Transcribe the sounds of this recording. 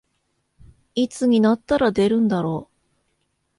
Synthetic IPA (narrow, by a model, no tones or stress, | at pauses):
it͡sɨɲ̟inat̪ːaɾad̪e̞ɾɯ̟̃nd̪aɾo̞ː